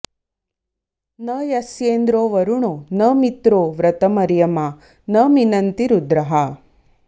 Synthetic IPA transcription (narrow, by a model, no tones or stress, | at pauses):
nɐːjɐsjeːnd̪ɾoːʋɐɾuɳonɐːmit̪ɾoːʋɾɐt̪ɐmɐɾjɐmaː | nɐːminɐnt̪iɾud̪ɾɐɦɐ